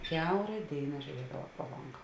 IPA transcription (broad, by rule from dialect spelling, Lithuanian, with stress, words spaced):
ˈkʲɛʊrɐ ˈdʲeːɪnɐ ʒʲʊˈrʲiɛdɐʋɐ proː ˈlˠoːŋɡɐ